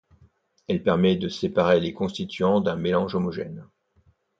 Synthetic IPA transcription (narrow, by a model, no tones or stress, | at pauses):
ɛlpɛʁmɛd̪əsepaʁelekɔ̃st̪it̪ɥɑ̃d̪ɛ̃melɑ̃ʒɔmɔʒɛ̰n